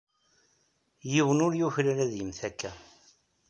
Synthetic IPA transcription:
jiwənʊɾjuçɾaɾæðjəmθækːæ

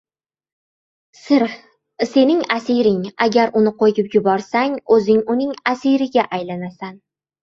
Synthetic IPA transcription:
sɪɾ | se̞nɪŋasɪɾɪŋaɡʲaɾʊnɪqʰojɪpjʊbɒɾsaŋɵzɪŋʊnɪŋasiɾɪɡʲaʔajlanasan

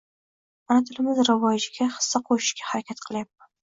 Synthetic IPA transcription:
manat̪ʰɪlɪmɪzɾɪvɒjd͡ʒɪɡʲaχɨ̥sːaqʰoʃɪ̥ʃɡʲahaɾakʲat̪qʰɨlˠjap̚man

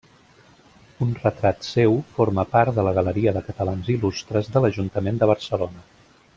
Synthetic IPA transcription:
unrət̪ɾat̪sewfoɾməpaɾt̪d̪ələɣələɾiəðəkət̪əlanzilust̪ɾəzðələʒunt̪əmend̪əβ̞əɾsəlonə

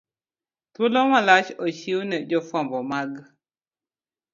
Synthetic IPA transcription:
t̪wolɔmalat͡ʃɔʃiwnɛd͡ʒɔfɔmbɔmaɡ

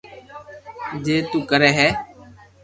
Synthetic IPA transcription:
d͡ʒeːt̪uːkəɾɛːɦɛː

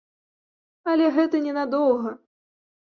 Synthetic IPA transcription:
ɐlʲɛɣɛt̪ɐnʲɛnad̪ɔwˠɣɐ

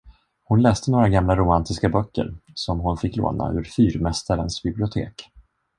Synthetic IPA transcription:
hʊnlɛːst̪ənoːɾaɡamlaɾʊmant̪ɪskabœkːə̰ɾsɔmɦʊnfɪkːlo̰ːna̰ʔɵ̟ɾfyːɾmɛst̪aɾənsbɪblɪʊt̪ʰḛːk

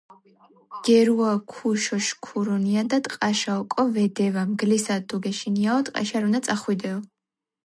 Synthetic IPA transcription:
ɡ̥ɛɾuakʰuʃɔʃkʰuɾɔniad̪at̪ʼqʼaʃaɔkʼɔvɛd̪ɛvamɡlisat̪uɡɛʃiniaɔt̪ʼqʼɛ̰ʃaɾunat̪sʼaχwid̪ɛɔ

